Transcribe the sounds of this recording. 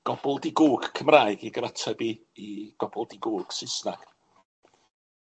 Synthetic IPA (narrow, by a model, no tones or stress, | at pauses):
ɡ̥ɔbɔlˠdiɡuːɡ̥kʰəmraːɨɡiɡəɾatʰɛbiː | iɡ̥ɔb̥ɔlˠdiɡuːɡ̥sɪsna̰ɡ̥